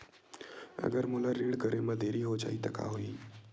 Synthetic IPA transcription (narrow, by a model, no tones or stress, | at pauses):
ə̰ɡəɾmulaɾiɽkəɾemãd̪eɾiɦod͡ʒa̰it̪əkʰa̰ɦoi